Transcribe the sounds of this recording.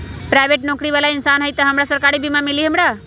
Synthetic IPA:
pɾaɪʋeʈnɔkɾiʋalaɪnsanɦəjt̪əɦəmɾasəɾkaɾibʱimãmɪliɦəmɽa

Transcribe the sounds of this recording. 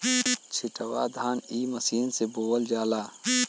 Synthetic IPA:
t͡ʃʰɪʈɐwa̰ːd̪ʱaːniːmɐsiːnseboːwəld͡ʒaːlaː

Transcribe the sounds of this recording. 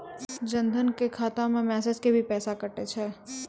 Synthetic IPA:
d͡ʒə̃nd̪ʱənkekʰaːt̪ãmẽmɛːsed͡ʒkebʱipɛːsakəʈet͡ʃʰɛː

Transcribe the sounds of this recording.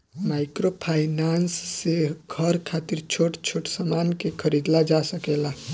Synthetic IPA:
maɪkɾopʰaɪnansːeɡʱəɾkʰat̪iɾt͡ʃʰoʈt͡ʃʰoʈsamankekʰəɾid̪lad͡ʒasəkela

